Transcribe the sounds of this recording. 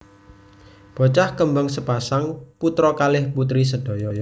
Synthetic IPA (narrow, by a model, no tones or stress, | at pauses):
b̥ɔ̤t͡ʃahkəmbaŋsəpasaŋput̪ɾɔkalɪhput̪ɾis̬əd̥o̤jɔjɔ